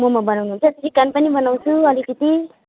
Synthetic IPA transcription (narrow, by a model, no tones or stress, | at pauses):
mʌmabʌnawnuɦnt͡sʰʌtsikanpʌnibʌnaw̃t͡sʰuʌlikʌt̪i